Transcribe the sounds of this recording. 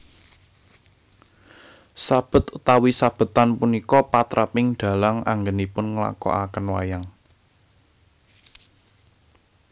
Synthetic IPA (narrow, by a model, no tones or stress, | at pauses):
sab̥ə̤t̪ut̪awisab̥ə̤t̪anpunikɔpat̪ɾapɪŋɖ̪̥ä̤laŋa̰ŋɡənipʊnŋəla̰kɔ̰ʔakənwa̰jaŋ